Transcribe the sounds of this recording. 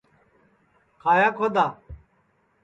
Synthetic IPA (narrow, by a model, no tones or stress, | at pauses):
kʰaːjaːkʰod̪aː